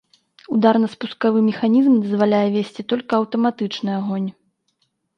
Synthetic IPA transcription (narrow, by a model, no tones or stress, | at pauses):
ud̪arnɐspuskavɨmʲɛxanʲizmd̪ɐzvalʲajɛvʲesʲt͡sʲit̪ɔlʲkɐɐwt̪ɐmat̪ɨt͡ʂnɨaɣɔnʲ